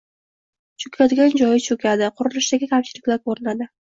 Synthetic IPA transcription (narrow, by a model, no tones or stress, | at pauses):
t͡ʃʰʊkʲʰad̪ɪɡʲand͡ʒɒjɪt͡ʃʰʊkʲʰad̪ɪqʰʊɾɪlɪʃd̪aɡʲɪkʲʰamt͡ʃʰɪlɪkʲlaɾkʰɵɾɪnad̪ɪ